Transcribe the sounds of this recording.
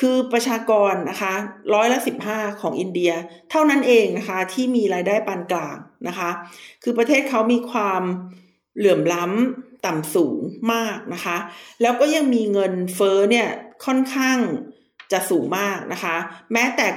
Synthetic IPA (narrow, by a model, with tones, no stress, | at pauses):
kʰɯː˧pɾa˧t͡ɕʰaː˧kɔː˧nːa˦˥kʰa˦˥ɾɔː˦˥jla˦˥ʔsi˨˩p̚hɦaː˥˩kʰɔː˩˦ŋʔi˧ndi˧ɐt̪ʰa˥˩wna˦˥nʔeː˧ŋna˦˥kʰa˦˥t̪ʰiː˥˩miː˧ɾaː˧jdaː˥˩jpaː˧nklaː˨˩ŋnʔa˦˥kʰa˦˥kʰɯː˧pɾa˧t̪ʰeː˥˩t̪̚kʰa˦˥wmiː˧kʰwaː˧m | lɯ˩˦əmla˦˥mt̪a˨˩msuː˩˦ŋmaː˥˩k̚na˦˥kʰa˦˥lɛː˦˥wkɔː˥˩ja˧ŋmiː˧ŋɤ˧nfɤː˦˥ni˥˩ɐkʰɔ˥˩nkʰaː˥˩ŋ | t͡ɕa˨˩ʔsuː˩˦ŋmaː˥˩k̚nʔa̰˦˥kʰa˦˥mɛː˦˥t̪ɛː˨˩